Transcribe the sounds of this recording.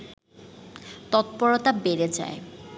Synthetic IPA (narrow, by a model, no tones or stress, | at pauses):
t̪ɔt̪pɔɾot̪abeɾed͡ʑa̰e